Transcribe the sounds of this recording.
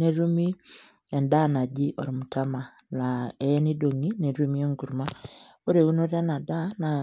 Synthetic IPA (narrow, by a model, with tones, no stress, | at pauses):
ne˨ɾu˦mi˦ | ɛ˨nda˦na˨ɟi˦ʔo˨ɾi˨mu˨ta˦ma˨ | naɛni˦do˨ŋi˦ne˨ɾumi˦ɛ˦ŋɡu˨ɾma | o˦ɾe˨u˦no˦ɾa˦na˨ða˦na˨